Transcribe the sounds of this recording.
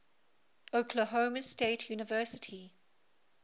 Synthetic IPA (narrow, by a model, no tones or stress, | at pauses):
okʰləɦoʊməsteɪtʰjuːnɪvɜˑsɪ̥tʰi